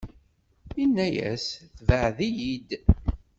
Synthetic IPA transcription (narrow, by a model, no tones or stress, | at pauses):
inːæjæ̰sθvəʕðijid̪